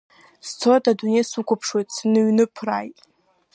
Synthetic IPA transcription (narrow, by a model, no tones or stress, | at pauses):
st͡sʰoadadunejsukʷapʰʂwejtʼsnɨɥnɨpʰrajtʼ